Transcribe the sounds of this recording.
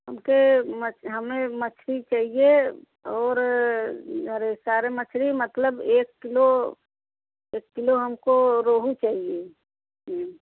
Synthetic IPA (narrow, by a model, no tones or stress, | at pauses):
ɦəmkemət͡ʃɦəmẽmət͡ʃʰɾit͡ʃaːɦie | ɔːɾ | əɾesaːɾemət͡ʃʰɾimət̪ləbeːkːɪlo | eːkːɪloɦəmkoɾoːɦut͡ʃaːɦie | ɦ